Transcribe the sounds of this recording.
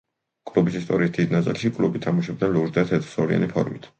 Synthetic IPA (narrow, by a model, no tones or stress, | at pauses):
kʼlubisist̪ʼɔɾisd̪id̪nat̪sʼilˠʃikʼlubit̪ʰamuʃɛb̚d̪nɛnluɾd̪at̪ʰɛt̪ʼsɔɾia̰nipʰɔ̰ɾmit̪ʰ